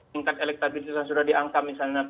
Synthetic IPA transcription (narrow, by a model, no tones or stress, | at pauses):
iŋkat̪elɛk̚t̪abisisjaŋsudahdiʔaŋkamisalɲa